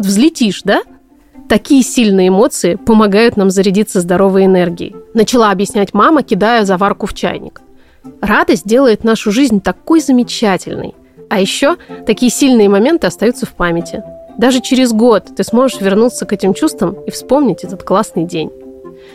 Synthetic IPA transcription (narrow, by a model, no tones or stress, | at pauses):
vot̪vzlʲɪtʲiʂd̪a | t̪ɐkʲijəsʲilʲnɨjəɪmo̞t̪sɨɪpəmɐɡajʊt̪namzəɾʲɪdʲit̪sːəzd̪ɐɾo̞vəjɪnɛrɡʲɪ̰ɪ̰nət͡ɕɪlˠaɐbjɪsʲnʲætʲmaməkʲɪd̪ajəzɐvarkʊft͡ɕæ̰jnʲɪ̰k | rad̪əsʲt̚ʲdʲe̞lˠəjɪt̪naʂʊʐɨzʲnʲt̪ɐko̞jzəmʲɪt͡ɕætʲɪlʲnɨ̰j | ɐjɪɕːo̞t̪ɐkʲijəsʲilʲnɨjəmɐmʲe̞nt̪ɨɐst̪ɐjut̪səfpamʲɪtʲɪ̰d̪aʐɨt͡ɕɪɾʲɪzɡo̞t̪ːɨsmo̞ʐɨʂvʲɪrnut̪səkɛtʲɪmt͡ɕust̪vəmifspo̞mnʲɪtʲɛt̪ət̪klˠasnɨjdʲenʲ